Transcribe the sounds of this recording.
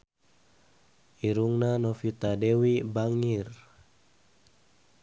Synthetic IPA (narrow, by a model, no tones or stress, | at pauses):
iɾuŋnanɔfit̪adɛwibaŋir